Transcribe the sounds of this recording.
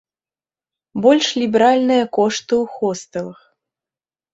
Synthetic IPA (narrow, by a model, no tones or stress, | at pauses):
bɔlʲʂlʲibʲɛɾalʲnɨjɐkɔʂt̪ɨwxɔst̪ɨlˠɨx